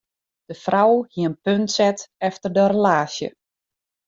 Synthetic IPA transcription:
d̥əfrawhiənpøntsɛtɛftərdəɾəlaːsjə̰

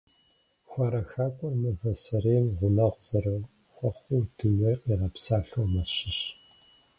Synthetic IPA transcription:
xʷɔɾɐxaːkʷʼɔrmɨvɐsɐɾeːmʁʷʊnɐʁʷz̥ɐrɐw | xʷɔχʷʊwtʰɨnɨiːʁɐpsaːɬomɐʃɪʃ

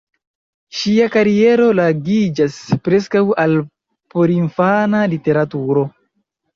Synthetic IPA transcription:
ʃiakaɾie̞ɾo̞laɡid͡ʒaspɾe̞s̬kawal | poɾinfanalite̞ɾatuɾo̞

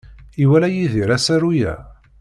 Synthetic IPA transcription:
iwælæjiðiɾæsæɾujæ̰

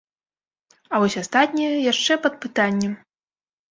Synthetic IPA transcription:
avɔsʲast̪at̪ʲnʲijɛjaʂt͡ʂɛpɐd̪̚pɨt̪anʲːɛm

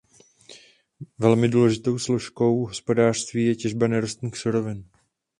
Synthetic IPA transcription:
vɛlmɪduːlɛʒɪt̪o̞wsloʃko̞wɦo̞spo̞daːr̥st̪viːjɛcɛʒbanɛɾost̪niːxsuɾo̞vɪn

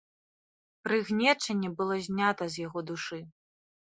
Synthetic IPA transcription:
pɾɨɣnʲɛt͡ʂɐnʲːɛbɨlˠɔzʲnʲat̪ɐzʲjaɣɔd̪uʂɨ

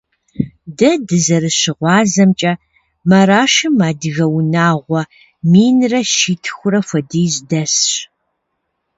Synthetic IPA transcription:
dɐdɨzɐɾɨɕɪʁʷɑːzɐmt͡ʃʼɐ | mɐɾaːʃɨmaːdɨɣɐwnaːʁʷɔ | miːnrɐʃiːtʰxʷʊɾɐfʷɐdiːzdɐsɕ

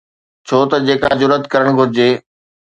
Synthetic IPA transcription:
t͡ɕʰoːt̪ɐd͡ʑeːkazʊɾət̪kɐɾəɽ̃ɡʱʊɾɪd͡ʑeː

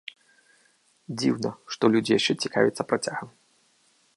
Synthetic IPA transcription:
d͡zʲiwnɐʂt̪ɔlʲud͡zʲijaʂt͡ʂɛt͡sʲika̰vʲɛt̪sɐpɾat͡sʲaɣɐm

